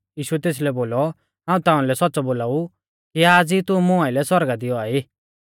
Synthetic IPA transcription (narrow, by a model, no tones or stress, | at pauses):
jiːʃuɛt̪eːs̬lɛboːlɔ | ɦãːũt̪ãːũlɛsɔt̪ːt͡sɔboːlaːu | kiaːd͡zit̪ʊ̃mʊ̃aɪlɛsɔɾɡad̪ɪjɔaːiː